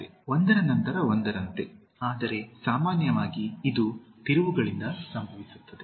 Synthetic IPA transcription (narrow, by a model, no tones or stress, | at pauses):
eond̪ɐɾɐnɐnt̪ɐɾɐo̞nd̪ɐɾɐnt̪e̞ | aːd̪ɐɾe̞saːmaːnjɐʋaːɡiːd̪ut̪iɾuʋuɡɐɭind̪ɐsɐmbʱɐʋisu̥t̪ːɐd̪e